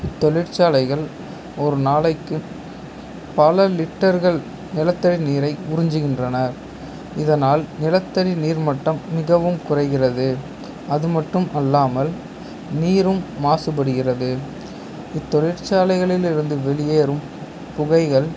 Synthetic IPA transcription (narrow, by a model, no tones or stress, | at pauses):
ɪt̪ːɔɭɪɾt͡ʃaːlɐɪɣɐɭ | ɔɾɯnaːlɐɪkːɯ | pɐlɐlɪʈːɐɾɣɐɭ | nɪlɐt̪ːɐɽiniːɾɐɪʊɾɪɲd͡ʒɯɣɪndrɐnɐɾ | ɪðɐnaːlnɪlɐt̪ːɐɽiniːɾmɐʈːɐmːɪɣɐʋɯmkʊrɐɪɣɪrɐðɯ | ɐðɯmɐʈːɯmʔɐlːaːmɐl | niːɾɯmːaːsɯpɐɽɯɣɪrɐðɯ | ɪt̪ːɔɭɪɾt͡ʃaːlɐɪɣɐɭɪlɪɾɯnd̪ɯʋɛɭɪjeːɾɯm | pʊɣɐɪɣɐɭ